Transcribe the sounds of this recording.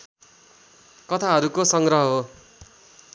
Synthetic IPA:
kʌt̪ʰaɦʌɾukosʌŋɡɾʌɦʌɦo

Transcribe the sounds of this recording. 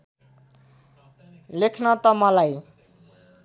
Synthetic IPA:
lekʰnʌt̪ʌmʌlaj

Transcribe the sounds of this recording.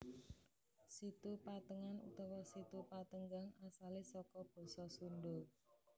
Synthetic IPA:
sit̪upat̪əŋanṵt̪ɔwɔsit̪upat̪əŋɡaŋasalisɔkɔb̥ɔ̤sɔsundo

